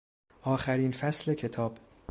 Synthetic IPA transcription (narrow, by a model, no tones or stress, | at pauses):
ʔɒːxæɾiːnfæsle̞cʰe̞t̪ʰɒːb̥